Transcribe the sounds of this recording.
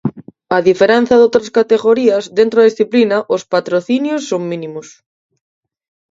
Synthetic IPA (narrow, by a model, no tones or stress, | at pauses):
ɐðifeɾɛn̟θɐðowt̪ɾɐskat̪eɣoɾiɐzðent̪ɾoðɐðisθiplinɐʔospat̪ɾoθinjosːoŋmĩnimʊs